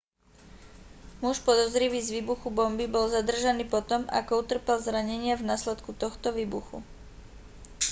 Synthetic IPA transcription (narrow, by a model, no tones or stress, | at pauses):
muʃpɔd̪ɔzɾiʋiːzʋiːbuxubɔmbibɔlzad̪r̩ʒaniːpɔt̪ɔma̰kɔut̪r̩pɛlzɾaɲɛɲɪavnaːslɛt̪kut̪ɔxt̪ɔʋiːbuxṵ